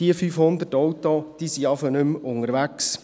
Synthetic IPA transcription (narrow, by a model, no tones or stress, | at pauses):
d̥iəfyfhʊnd̪ətɔwt̪od̥iːsiɑfənʏmʊŋəɾʋæks